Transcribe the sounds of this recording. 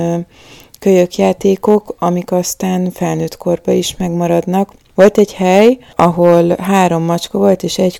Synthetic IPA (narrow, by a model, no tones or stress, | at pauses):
køjøkjaːt̪eːko̞kɒmikɒst̪aːnfɛlnøːt̪kʰo̞rbɒiʃmɛɡmɒɾɒd̪nɒk | ʋo̞lt̪ɛɟhɛj | ɒɦo̞lɦaːɾo̞mːɒt͡ʃkɒvo̞lt̪eːʃɛɟ